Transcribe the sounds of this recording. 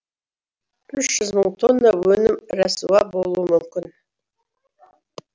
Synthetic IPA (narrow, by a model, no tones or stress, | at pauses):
ʏʃʒʏzməŋˠt̪ʰonːəwɵnɪmɾæsuɑbolˠuəmʏmkʲɪn